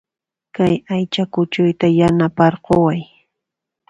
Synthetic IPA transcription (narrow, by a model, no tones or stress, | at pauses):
kajajt͡ʃakʊt͡ʃʊjt̪ajanapaɾɢowaj